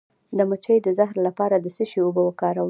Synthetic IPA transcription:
d̪əmət͡ʃəjd̪əzaɦɾlapɑɾad̪əsəʃiobəwəkɑɾaw

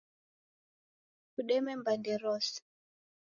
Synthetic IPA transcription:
kuɗɛmɛmbandɛɾɔs

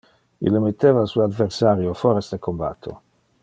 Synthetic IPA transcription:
ḭlːemet̪ːeːvasuoad̪versaɾjofoɾesd̪ekomba̰t̪ʰːo̰

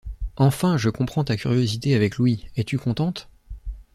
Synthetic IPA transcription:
ɑ̃fɛ̃ʒəkɔ̃pχɑ̃t̪akʲyʁjozit̪eavɛklwiɛt̪ykɔ̃t̪ɑ̃t̪

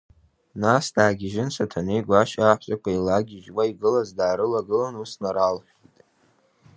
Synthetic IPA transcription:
nasdaːɡʲɪʒɪnsatʰanejɡʷaʃaːħʷzʼakʷʰailaɡʲɪʒwaiɡɨlazdaːɾɨlaɡɨlanusnaɾalħʷᶣitʼ

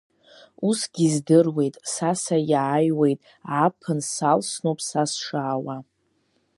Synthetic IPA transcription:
usɡʲizdɨrwe̞jtʼsasajaːjwe̞jtʼ | apʰɨnsalsnowpʰʼsasʂaːwa

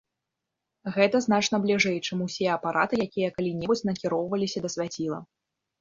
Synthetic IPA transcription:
ɣɛt̪ɐznat͡ʂnɐblʲiʐɛjt͡ʂɨmusʲɛɛɐpaɾʔat̪ɨjakʲijɐkalʲinʲɛbut͡sʲnɐkʲiɾɔwvɐlʲisʲɐd̪ɐsʲvʲat͡sʲilˠɐ̰

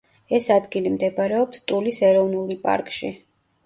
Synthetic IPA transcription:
ɛsad̪ɡilimd̪ɛbaɾɛɔpst̪ʼulisɛɾɔvnulipʼa̰ɾkʼʃi

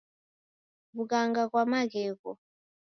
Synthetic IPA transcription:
βukaŋɡakwamakɛːkɔ

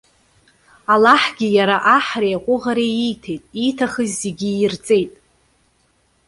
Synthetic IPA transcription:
alaħɡʲijaɾaʔaħrejaqʷʼʊʁaɾeijtʰe̞jtʼitʰaχəzʲːeɡʲijrt͡sʼe̞jtʼ

